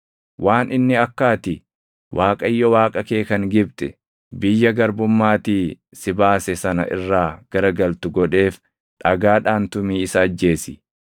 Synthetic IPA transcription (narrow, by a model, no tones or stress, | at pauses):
wʔaːnʔɪnːɪɐkːaːt̪ɪ | wʔaːkʼɐjːɔwaːkʼɐke̞ːkɐŋɡɪbt̪ʼɛ | bɪjːɐɡɐɾbʊmːaːt̪iː | sɪbaːsɛsɐnɐ̰ʔɪ̰rːaːɡ̥ɐɾɐɡɐlt̪ʊɡɔᶑe̞ːf | ᶑɐɡaːᶑaːnt̪ʊmiːɪsɐːd͡ʒːe̞ːsɪ